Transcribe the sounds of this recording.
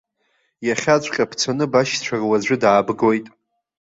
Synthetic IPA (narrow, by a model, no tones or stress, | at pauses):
jaχʲat͡ɕʷʼqʲʼapʰt͡sʰanɨbaʃt͡ɕʷʰarwad͡ʑʷɨdaːbɡo̞jtʼ